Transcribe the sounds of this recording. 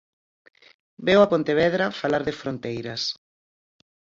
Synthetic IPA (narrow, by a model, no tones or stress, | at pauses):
bewapont̪eβɛðɾɐfalaɾðefɾont̪ejɾɐs